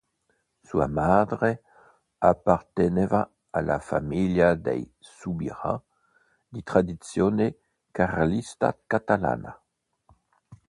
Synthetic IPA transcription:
sua̰mad̪ʁe | apaʁt̪eneva | alʔa̰familjad̪ḛj | subiʁã̰ | d̪it̪ʁad̪it̪t͡sjone | kaʁalist̪a̰kat̪ala̰na

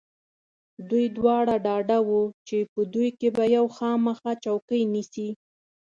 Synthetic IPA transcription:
d̪ujd̪wɑɽaɖɑɖawut͡ʃepəd̪ujkebajawxɑməxɑt͡ʃawkəjnisi

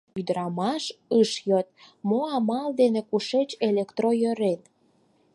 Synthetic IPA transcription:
yd̪əɾɑmɑʃəʃjot̪̚moɑmɑld̪enekuʃet͡ɕelekt̪rojøɾen

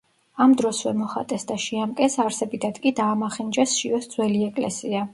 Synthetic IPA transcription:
amd̪ɾɔsvɛ̰mɔχa̰t̪ʼɛsd̪aʃiamkʼɛsaɾsɛbid̪ʰad̪kʼid̪aːmaχind͡ʒɛsʃiɔsd̪zwɛliɛkʼlɛ̰sia

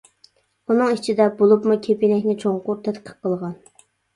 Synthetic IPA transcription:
unɨŋit͡ʃʰid̪ɛbolˠupmukʲʰepinɛkʲnɪt͡ʃʰoŋqʊɾt̪ʰɛt̪qʰə̥qqːəlˠʁɑn

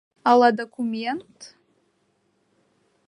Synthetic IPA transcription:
aladokʷʰumentʰʼ

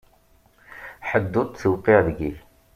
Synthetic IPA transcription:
ħəd̪ːʊt̪ˤθəwqiʁðɡiç

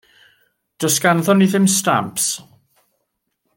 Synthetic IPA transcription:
d̥əsɡanðɔniðɪmsta̰mps

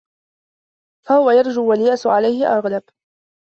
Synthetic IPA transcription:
fahʊwajɑɾˤd͡ʒuːwaljaʔsʕalajhɪʔaɣlab

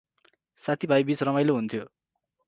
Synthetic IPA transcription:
sat̪ʰibʱajbiːt͡sɾʌmajloɦunt̪ʰijo

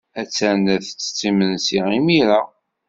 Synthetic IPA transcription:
æt͡sːænæθt͡sːə̥t͡sːimənsiimiɾa

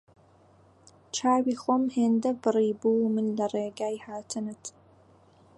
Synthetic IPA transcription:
t͡ʃʰaːwiːχʷɔmheːndɐbɨriːbuːmɨnlɐreːɡaːjhaːtʰɨnɨtʰ

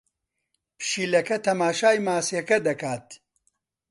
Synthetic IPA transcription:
pʰʃiːlɐkɐt̪ʰɐmaːʃaːjmaːsjɐkɐd̪ɐkaːt̪

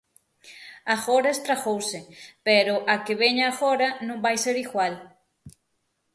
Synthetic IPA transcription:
aɣoɾaest̪ɾaɣowsɪpeɾʊʔakeβeɲaːɣoɾanõŋbajseɾiɣwal

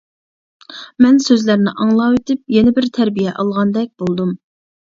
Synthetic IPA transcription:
mɛnsøzlæɾnɪ̰ʔɑŋlˠɑwet̪ʰɪp̚jɛnɪbɪɾt̪ʰɛɾbijɛʔɑlˠʁɑnd̪ɛk̚ʲb̥olˠd̪um

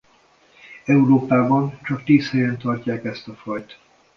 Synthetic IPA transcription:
ɛuɾoːpaːbɒnt͡ʃɒk̚t̪iːshɛjɛnt̪ɒrcaːkɛst̪ɒfɒjt̪

